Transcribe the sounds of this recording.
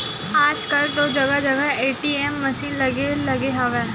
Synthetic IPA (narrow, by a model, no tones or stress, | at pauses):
aːd͡ʒkəld̪oːd͡ʒəɡad͡ʒəɡəeːʈiːɛːmːəsiːnləɡelɐɡeɦaːʋɛː